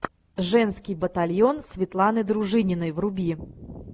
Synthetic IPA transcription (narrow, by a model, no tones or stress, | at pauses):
ʐɛnskʲɪjbət̪alʲjonsʲvʲɪt̪lˠanɨd̪ɾʊʐɨnʲɪnəjvrʊbʲi